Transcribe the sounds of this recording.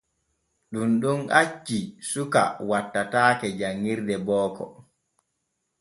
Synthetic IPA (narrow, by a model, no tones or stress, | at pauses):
ɗunɗunʔat͡ʃːisuka̰watːataːkɛd͡ʒaŋːiɾdɛbɔːkɔ̰